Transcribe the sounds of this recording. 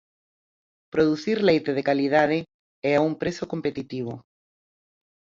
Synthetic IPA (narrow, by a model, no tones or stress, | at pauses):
pɾoðuθiɾlejt̪eð̞ekalið̞aðɪ | ɛauŋpɾesokompet̪it̪iβ̞o